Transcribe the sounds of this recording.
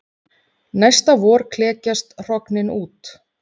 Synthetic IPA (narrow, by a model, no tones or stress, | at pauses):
najst̪avɔːɾ̥kʰlɛːcast̪r̥ɔknɪnuːt̪